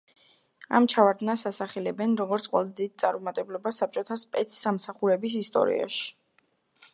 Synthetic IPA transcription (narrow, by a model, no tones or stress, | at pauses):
a̰mt͡ʃʰavaɾd̪nasasaχɛlɛbɛnɾɔɡɔɾt̪sʰqʼwɛ̰lˠd̪id̪̚t̪sʼaɾumat̪ʼɛblɔbasːap̚t͡ʃʼɔt̪ʰaspʼɛt̪sʰsamsaχuɾɛbis̬ist̪ʼɔ̰ɾḭa̰ʃi̥